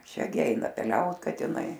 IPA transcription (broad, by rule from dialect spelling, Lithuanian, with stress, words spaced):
ˈʃʲɛ ɡʲɪ ˈɛɪnɐ pʲɛˈlʲɛʊt kɐtʲɪˈnɐɪ